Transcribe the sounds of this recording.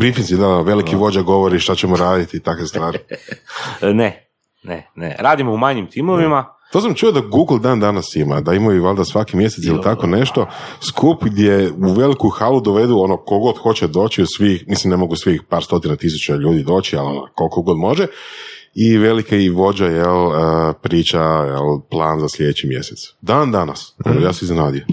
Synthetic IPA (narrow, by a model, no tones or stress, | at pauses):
bɾifinsid̪aʋe̞likiʋo̞d͡ʑaɡo̞ʋoɾiʃt̪at͡ɕemoɾaːd̪it̪it̪akʋest̪ʋaːɾi | ne | nḛnḛɾaːd̪imoumaɲimt̪imoʋimat̪osamt͡ʃujod̪aɡuːɡl̩ˠd̪aːnd̪anasima̰d̪aimaiʋalˠd̪asʋakimje̞set̪silit̪ako̞ne̞ʃt̪o̞skʰupɡd̪ʲje̞uʋe̞likuxalud̪oʋe̞d̪uo̞no̞koɡo̞d̪xo̞t͡ɕed̪o̞ːt͡ɕiusʋixmislimne̞mo̞ɡusʋixpaːɾst̪o̞t̪inat̪is̬ut͡ɕaʎuːd̪id̪o̞ːt͡ɕial̰ko̞lkoɡo̞d̪mo̞ʒe | iʋe̞likaiʋo̞d͡ʑajeləpɾiːt͡ɕajḛlplˠaːnzaslʲe̞d̪et͡ɕimje̞̰set̪sd̪aːnd̪anaso̰nojaːseiznenaːd̪ijo